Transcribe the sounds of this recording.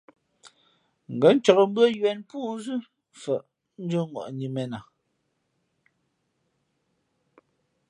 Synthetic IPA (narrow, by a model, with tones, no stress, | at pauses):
ŋ̩˨ɡə˨˦n˦t͡ʃɔ˨kə˨m̩˦bɰə˦jɥɛ˨npuː˦zʉ˦ | fə˨ʔ | n̩˦d͡ʒə˦ŋɔ̰˨ʔɲi˨mɛ˨na˨